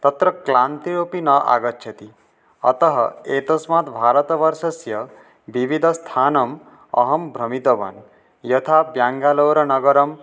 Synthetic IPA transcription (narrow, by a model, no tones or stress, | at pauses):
t̪ʌt̪ɾʌklant̪iɾopinʌʔa̰ɡʌt̪ːt͡ʃʰʌt̪i | ʌt̪ɔɦʌ̰et̪ɔsmat̪bʱaɾɔt̪ʋʌɾʃɔsjʌ | bibʱid̪ʱʌst̪ʰanɐm | ʌ̰ɦɔmbʱɾʌmit̪ɔbɐ̰n | jɔt̪ʰabjaŋɡaloːɾɔnʌɡʌɾɔm